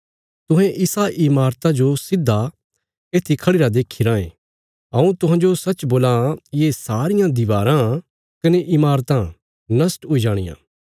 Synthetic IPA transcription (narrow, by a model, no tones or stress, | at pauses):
t̪ʊ̃ɦɛ̃ʔɪsaʔɪmaːɾt̪ad͡ʒosɪd̪ʱːa | eːt̪ʰikʰɐɽiɾad̪eːkʰːiɾãːḛ̃ | ɐ̃ũt̪ʊɦãːd͡ʒosɐt͡ʃboːlajeːsaːɾɪjãd̪ɪʋaːɾã | kɐneʔɪmaːɾt̪ã | nɐsʈʊid͡ʒaːɽ̃ɪ̰jã̰ː